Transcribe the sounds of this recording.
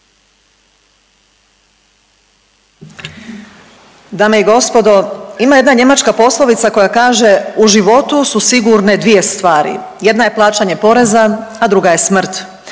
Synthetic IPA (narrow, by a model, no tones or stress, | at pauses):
d̪aːmeiɡo̞spo̞d̪o̞imaje̞d̪naɲe̞mat͡ʃkapo̞slˠo̞ʋit̪sako̞jakaːʒeuʒiʋo̞t̪ususiɡuɾne̞d̪ʋije̞st̪ʋaːɾḭ | je̞d̪naje̞plˠaːt͡ʃaɲepo̞ɾe̞zaad̪ɾuɡaje̞smr̩t̪